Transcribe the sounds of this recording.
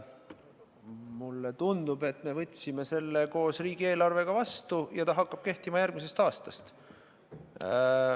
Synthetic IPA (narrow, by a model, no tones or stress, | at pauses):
mulːet̪und̪ube̞t̪ːˑme̞vɤt̪ʲːˑsime̞se̞lːe̞ko̞ːsriːɡ̥ie̞ːlɑrve̞ɡ̥ɑvɑst̪ujɑt̪ɑɦɑkːɑb̥ke̞ht̪imɑjærɡ̥mis̬e̞st̪ɑːst̪ɑst̪